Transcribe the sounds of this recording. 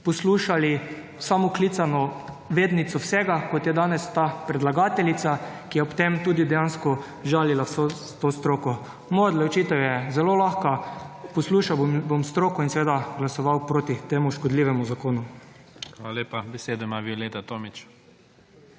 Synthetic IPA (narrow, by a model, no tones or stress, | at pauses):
pɔsluːʃali | saːmɔklit̪sanɔ | ʋeːd̪nit̪sɔwsɛɡakɔt̪jɛd̪aːnɛst̪apɾɛd̪laɡaːt̪ɛlit̪sakijɛɔpt̪emt̪uːd̪id̪ɛjanskɔ | ʒaːlilaso | t̪ost̪ɾoːkɔ | moːjad̪lɛwt͡ʃit̪ɛwjɛzɛloːlaxkapɔsluːʃawbomst̪ɾoːkɔinsʋeːd̪aɡlasɔʋawpɾoːt̪it̪eːmuʃkɔd̪liːʋɛmuzakoːnu | xalaleːpabɛseːd̪oimaːʋileːt̪at̪oːmit͡ʃ